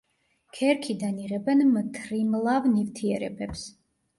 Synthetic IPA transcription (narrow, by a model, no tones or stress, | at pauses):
kʰɛɾkʰid̪aniʁɛbɛnmt̪ʰɾimlˠavnivt̪ʰiɛɾɛbɛps